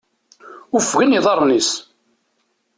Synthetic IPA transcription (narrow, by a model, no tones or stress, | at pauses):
ʊfɣiniðˤɑɾˤnis